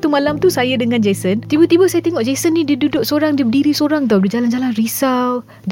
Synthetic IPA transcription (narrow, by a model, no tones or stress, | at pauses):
t̪umalamt̪usajadəŋãnd͡ʒajsənt̪ibət̪ibəsajat̪eŋɔʔd͡ʒasənːididudʊʔ̚soɾaŋdibədiɾisoɾaŋt̪̬adid͡ʒaland͡ʒalanrisaw